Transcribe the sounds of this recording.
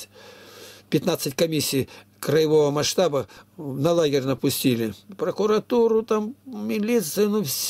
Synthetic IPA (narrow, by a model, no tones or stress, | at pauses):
pʲɪt̪nat̪sɨtʲkɐmʲisʲːij | kɾəjɪvovəmɐʂt̪abənɐlˠaɡʲɪrʲnɐpʊsʲtʲilʲɪpɾəkʊɾɐt̪uɾʊt̪ammʲɪlʲit̪sɨjnufsʲ